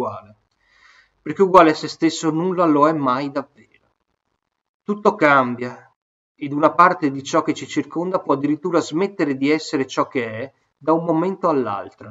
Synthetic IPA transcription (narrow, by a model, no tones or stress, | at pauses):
waːle | perk̟euɡwaːleasest̪esːonulːaloɛmajd̪avːeːɾo | t̪ut̪ːokambja | ed̪unapart̪ed̪it͡ʃɔk̟ːet͡ʃit͡ʃirkond̪apwɔad̪ːiɾit̪ːuːɾazmet̪ːeɾed̪iɛsːeɾet͡ʃɔk̟ːeɛ | d̪aumːoment̪oalːa̰lt̪ɾa